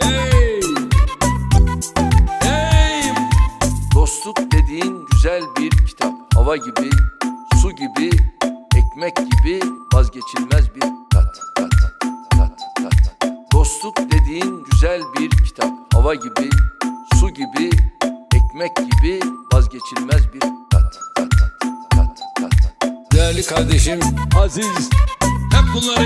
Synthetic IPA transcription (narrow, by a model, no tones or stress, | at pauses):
e | ej | d̪o̞st̪lˠuk̚d̪ed̪iːnɟyzælʲbiɾcʰi̥t̪ʰap̚havaɟibisuɟibi | cmɛcɟibivazɟe̞t͡ʃʰilʲmɛzbiɾʰat̪ | d̪̥o̞slˠukd̪e̞d̪iːinɟyzælʲbiɾcʰi̥t̪ʰap̚havaɟibisuɟibiɛcmɛcɟibivazɟe̞t͡ʃʰilʲmɛzbiɾkat̪t̪ʰt̪at̪d̪̥ejæɾlʲikʰaɾd̪e̞ʃimazizhɛp̚bunˠːaɾ